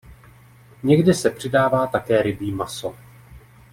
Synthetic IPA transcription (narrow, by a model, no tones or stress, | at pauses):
ɲɛɡdɪsɛpr̝̥ɪdaːvaːt̪akɛːɾɪbiːmaso